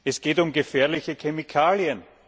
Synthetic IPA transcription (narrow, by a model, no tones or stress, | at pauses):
ɛsɡ̥eːtʊmɡəfɛːɐlɪçəkʰɛmikʰaːljən